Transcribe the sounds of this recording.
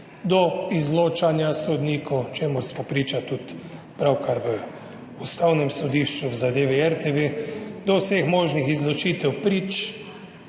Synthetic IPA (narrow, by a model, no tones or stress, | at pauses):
d̪ɔizloːt͡ʃanjasɔd̪niːkʰɔwt͡ʃeːmuɾsmɔpɾiːt͡ʃat̪ut̪ | pɾawkaɾʋə | ust̪awnɛmsɔd̪iːʃt͡ʃuwzad̪eːʋiɛɾt̪eʋed̪ɔwsexmoːʒnixizlɔt͡ʃiːt̪ɛwpɾiːt͡ʃ